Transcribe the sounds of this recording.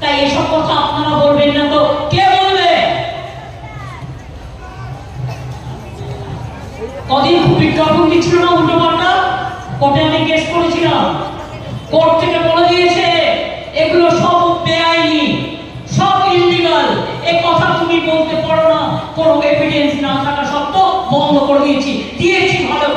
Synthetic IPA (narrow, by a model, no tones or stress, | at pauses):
t̪ajeʃɔb̚kɔt̪ʰaapnaɾabolbenːat̪okebolbe | ɔd̪inkʰubiʈɾabʰʱund̪it͡ɕʰilonad̪ʱunːopaɾʈakoʈeamiɡeʃkoɽet͡ɕʰilam | koɾd͡ʑeʈebɔlod̪iet͡ɕʰe | eɡuloʃɔbbeajli | ʃɔbilːiɡalekɔt̪ʰat̪umibolt̪epɔɽonakonokebʱiɖiensnat̪ʰakaʃɔb̚t̪obɔmd̪ʱokoɾed̪iet͡ɕʰid̪iet͡ɕʰibʱalo